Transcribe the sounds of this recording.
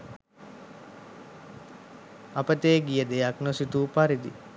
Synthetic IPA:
apət̪eːɡijəd̪ejaknosit̪uːpaɾid̪ḭ

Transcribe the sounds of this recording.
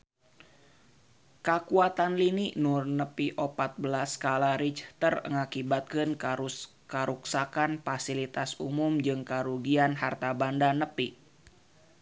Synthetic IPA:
kəkuat̪anliniʔnurnəpiʔɔpat̪̚bəlaskalaɾit͡ʃt̪ərŋakibat̪̚kɨn | kəɾuksakanfasilit̪asumumd͡ʒɨŋkaɾuɡianɦart̪abandanəpi

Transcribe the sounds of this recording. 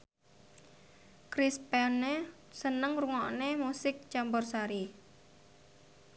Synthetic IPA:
kɾispɛnːe | sənəŋruŋɔʔnemusɪk̚t͡ʃambɔrsaɾi

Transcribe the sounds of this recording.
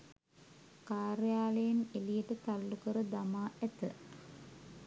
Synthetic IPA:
kaːɾejaːlejenelijəʈət̪alːukəɾəd̪amaːæt̪ə

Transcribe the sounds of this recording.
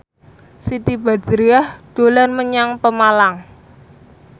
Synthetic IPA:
sit̪ib̥a̤d̪ɾiahd̪̥o̤lanməɲaŋpəmalaŋ

